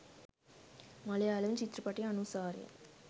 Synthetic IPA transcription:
mɐlɐjaːlɐʋt͡ʃit̪ːɾɐpɐʈːiɐnusaːɾḛ

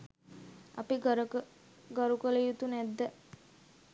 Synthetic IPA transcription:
a̰piɡɾ | ɡəɾukələjut̪unæd̪ːə

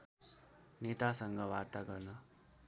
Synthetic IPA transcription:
net̪asʌŋɡʌwart̪aɡʌrnʌ

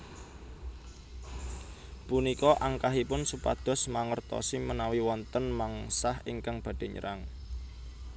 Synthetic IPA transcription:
punikɔʔaŋkaɦipʊnsupa̰d̪̥ɔ̤smaŋərt̪ɔ̰simənawiwɔnt̪ənmaŋsahɪŋkaŋb̥ä̤ɖ̥e̤ɲə̰ɾʔaŋ

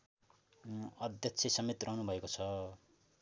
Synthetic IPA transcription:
ʌd̪jʌkt͡sʰesʌmet̪rʌɦnubʱʌekot͡sʰʌ

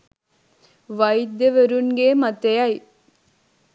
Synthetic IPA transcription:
ʋɐjd̪ːeʋɐɾunɡeːmɐt̪ːejaj

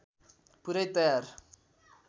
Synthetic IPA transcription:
puɾɐjt̪ɐjaːɾ

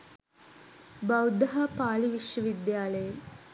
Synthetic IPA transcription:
bɐwd̪ɐɦapaːliʋiʃjɐʋid̪jaːlɐje

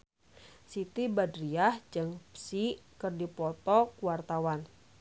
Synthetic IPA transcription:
sit̪ibadɾiahd͡ʒɨŋpsikərdipɔt̪ɔkuwart̪awan

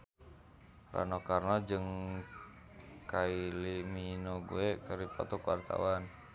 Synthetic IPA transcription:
ra̰nɔkarnad͡ʒəŋ | kailiminoɡṵekəɾipa̰t̪ɔkwa̰rt̪a̰wan

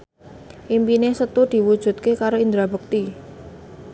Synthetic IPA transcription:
ʔimpinesət̪ud̪̥i̤wud̥ʒ̥ṳt̪̚kekaɾoind̪ɾabṳk̚t̪i

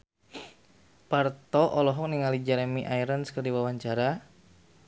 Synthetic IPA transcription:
part̪ɔʔɔlɔɦɔk̚niŋalid͡ʒɛɾemiʔaiɾənskərdiwawaɲt͡ʃaɾa

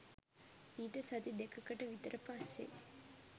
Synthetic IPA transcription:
iːʈəsɐd̪id̪ekʰɐkəʈəʋit̪əɾʔəpasːḛ

